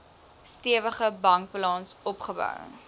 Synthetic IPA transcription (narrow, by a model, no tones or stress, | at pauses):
stiəvəχəbɐŋk̚plɑːnsɔpχəbœ̰w